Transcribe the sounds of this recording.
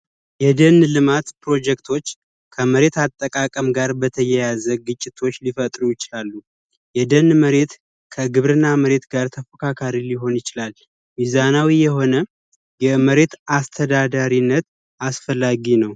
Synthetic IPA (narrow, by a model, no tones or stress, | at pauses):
jɛd̪ənlɨmat̪pɾo̞d͡ʒɛk̚t̪ʰo̞t͡ʃː | kʰəməɾe̞t̪at̪ʼːəkʼakʼəmɡaɾbət̪ʰəjɛjazəɡɨt͡ʃʼːɪt̪ʰo̞t͡ʃːlifət̪ʼɾujɪt͡ʃɪlalːu | jɛd̪ənːməɾe̞t̪ | kʰəɡɨβɾɨnːaməɾe̞t̪ɡaɾt̪ʰəfəkʰakʰaɾiliɦo̞njɪt͡ʃɪlal | mizanawijɛɦo̞nə | jɛməɾe̞t̪ast̪ʰəd̪ad̪aɾinːət̪ | asfəlːaɡinəw